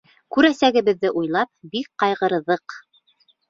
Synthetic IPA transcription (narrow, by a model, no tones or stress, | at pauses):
kʉɾæsæɡɘ̆βɘ̆ðːɘʔujlˠɑp̚bik̚qɑjʁɤ̆ɾɤ̆ðɤq